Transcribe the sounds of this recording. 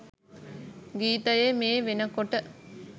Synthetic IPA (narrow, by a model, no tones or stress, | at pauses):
ɡiːt̪ɐjemeːʋenəkoʈə